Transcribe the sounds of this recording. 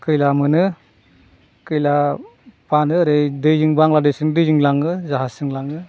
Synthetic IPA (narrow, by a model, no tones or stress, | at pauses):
kɯjlamɯnɯ | kɯjlapanɯɾɯjdɯjzɯŋbaŋladɯjsɯŋdɯjzɯŋlaŋɯzaɦasɯŋlaŋɯ